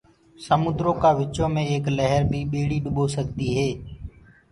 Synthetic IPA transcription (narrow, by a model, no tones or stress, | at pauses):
səmʊd̪ɾoːkaːʋɪt͡ʃõːmẽːeːkləɦəɾbʱiːɓeːɽiːɗʊɓoːsəɠt̪iːɦeː